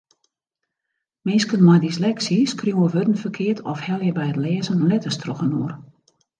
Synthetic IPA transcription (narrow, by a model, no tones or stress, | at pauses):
mɪnskənmɔjdislɛksiskrjuwəʋødən̩fərkʰɪərtʰɔfhɛlˠjəbɛjətlɛːzənlɛtəstroxənoər